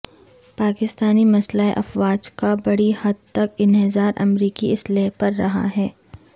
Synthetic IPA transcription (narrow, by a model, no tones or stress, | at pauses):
paːkɪst̪aːnimɐslaːeʔɐfwaːd͡ʒkabɐɽihɐd̪̚t̪ɐkɪnɦɪzaːɾʔɐ̰mɾiːkiɪsleːɦpɐɾːɐɦa̰ɦɛː